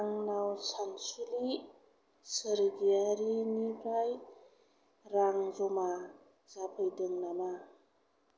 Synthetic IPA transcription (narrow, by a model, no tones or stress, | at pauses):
aŋnawsaŋsuli | səɾɡiaɾinipʰɾaj | ɾaŋzɔma | zapʰɯjdɯŋnama